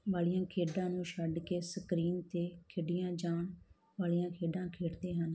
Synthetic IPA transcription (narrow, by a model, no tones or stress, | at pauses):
ʋaːlijãːkʰeːɖãːnũːʃəɖkeːsəkɾiːnt̪eːkʰɪɖɪjãːd͡ʒaːɳ | ʋaːlijãːkʰeːɖãːkʰeːʈd̪eːɦən